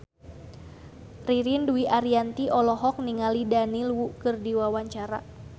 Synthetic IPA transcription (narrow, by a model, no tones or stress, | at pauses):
riɾinduiʔaɾiant̪iʔɔlɔɦɔk̚niŋalidanilwukɨrdiwawaɲt͡ʃaɾa̰